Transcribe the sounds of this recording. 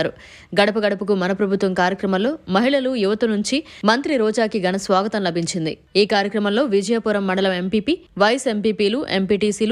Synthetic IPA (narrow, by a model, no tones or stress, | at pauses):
ɾu | ɡɐɽɐpɐɡɐɽɐpɐkumɐnɐpɾɐbʱut̪ʋɐmkaːɾjɐkɾɐmɐmlo̞ːmɐɦiɭɐlujuʋɐt̪ɐnuɲt͡ʃimɐnt̪ɾiɾɔːd͡ʒaːkiɡɐnɐsʋaːɡɐt̪ɐmlɐbʱiɲt͡ʃind̪ḭ | iːkaːɾjɐkɾɐmɐmlo̞ːʋid͡ʒɐjapuːɾɐmːɐɳɖɐlɐme̞mpiːpiːʋɐjɐse̞mpiːpiːluʔempiːʈiːsiːl